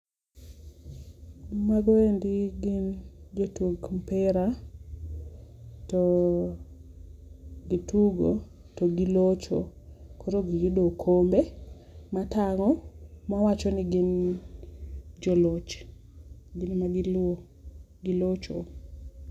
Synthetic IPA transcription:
maɡɔendɪɡɪnd͡ʒotwoɡmpɛɾa | to | ɡituɡo | toɡilot͡ʃo̰koɾoɡijudokʰombe | mataŋɔmawat͡ʃɔnɪɡɪn | d͡ʒɔlot͡ʃ | ɡɪnmaɡɪlo | ɡilot͡ʃo

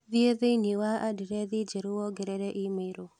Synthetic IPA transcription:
ðieðeniwaʔadiɾɛðɪd͡ʒeɾuwɔɡɛɾɛɾɛʔimeɾo

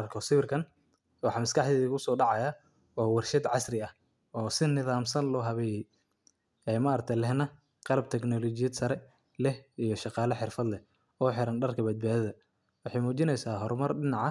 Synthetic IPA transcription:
ɐrkʰɔsɪβɪrkʰɐn | wɑħɑːmɐskʰɑħðɛːiʊsɔːɖɑʕɑja | ɔːwɑrʃɐd̪ʕɑsrɪɐh | ɔːsɪnɪðaːmsɐnlɔːɦɐβɛːjɛj | ɛːmɐɾɐk̚t̪ʰɐlɛhnɐ | qɑlɐb̚t̪ʰɛknɔlɔt͡ʃɪjɐd̪sɐɾɛ | lɛhijɞʃɑqɑːlɐħɪrfɐd̪lɛh | ɔːħɪɾɐnɖɐrkʰɐbɐd̪̚baːðɪðɐ | wɑħɑjmuːt͡ʃɪnɛjsaːɦɔɾmɐrɖɪnɑʕɑ

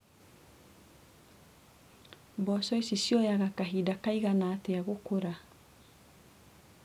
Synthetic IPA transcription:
bɔsɔisisjɔjaɣakaɦidakaiɣanaːteaɣokoɾa

